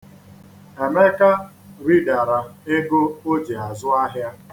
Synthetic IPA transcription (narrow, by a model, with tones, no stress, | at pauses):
e˨me˦ka˦ | ɾi˦da˨ɾa˨e˦ɡo˦o˦d͡ʒe˨a˨zʊ˦a˦ɦja˦